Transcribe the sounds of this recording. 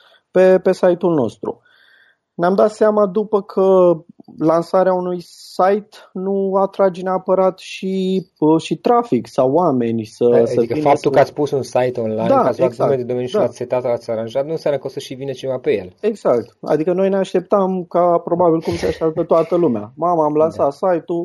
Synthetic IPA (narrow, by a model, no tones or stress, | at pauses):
pe̞pe̞sajt̪ulno̞st̪ɾṵ | neamd̪at̪seamad̪upəkʰə | lansaɾeaunujsajt̪nuat̪ɾad͡ʒeneapəɾat̪ʃiʃit̪ɾafiksawame̞nʲsəəvikəifap̚t̪ulkəat̪sʲpusunsajt̪onla̰jd̪aaslat̪znaumeed̪ed̪ome̞njuʃikat̪ʲset̪at̪əat̪sʲaɾanʒat̪nũnsjamnəkəosəʃivinət͡ʃe̞vapejḛle̞ɡz̥akt̪a̰d̪ikəno̞jneaʃt̪e̞p̚t̪amkapɾo̞babilkumseaʃt̪ap̚t̪ət̪oat̪əlumea̰mamaːmlansat̪sajt̪u